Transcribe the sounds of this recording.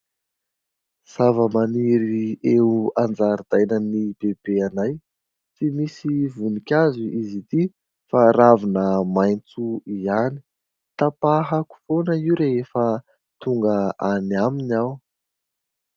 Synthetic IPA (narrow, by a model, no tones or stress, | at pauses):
z̥avəmaniɾieuand͡zaɾid̪̥ajnənib̥eb̥eanaj | t͡simisivunikʲazuizit̪i | faɾavinəmajnt͡suiani̥ | t̪apaɦaku̥fonəiuɾeefə | t̪uŋɡəaniaminaw